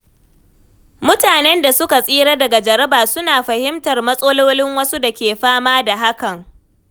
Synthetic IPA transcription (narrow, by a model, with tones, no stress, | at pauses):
mʊ˦taː˨nɛ˦nda˨sʊ˦ka˨sʼiː˦ɽɐ˦dɐ˨ɡa˨d͡ʒɐ˨ɾɐ˦baː˨sʊ˦naː˨ɸɐ˨hɪ˦mtɐ˨rmɐ˦sʼoː˦loː˦lɪ˦ŋwɐ˦su˦da˨kʲeː˨ɸaː˦maː˦da˨ɦa˦kɐ˨ŋ